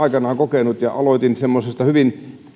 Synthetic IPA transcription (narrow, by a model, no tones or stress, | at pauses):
ɑikɑnɑːŋkokenut̪jɑ̰ʔɑloit̪insemːosest̪ɑhyʋin